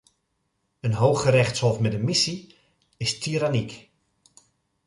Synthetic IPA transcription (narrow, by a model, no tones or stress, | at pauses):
ənɦoːxəɾɛxtshɔfmɛdəmisi | ɪstʰiɾanik